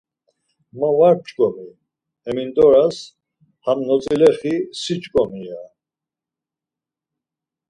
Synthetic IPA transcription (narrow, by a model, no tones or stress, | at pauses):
məvaɾt͡ʃʼkʼɔmi | ɛmind̪ʼɔɾas | hamnɔt͡sʼilɛɾχisit͡ʃʼkʼɔmia